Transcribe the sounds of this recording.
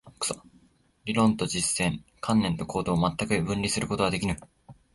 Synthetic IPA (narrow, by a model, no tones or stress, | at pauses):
kɯ̥so | ɾʲiɾõ̞nt̪o̞d͡ʑisːẽ̞ɴkʰãnːẽ̞nt̪o̞kʰo̞ːd̪o̞ːmat̪ːakɯbɯ̟̃nʲɾʲisɨɾɯ̟ko̞t̪o̞ɡad̪e̞kʲiɾɯ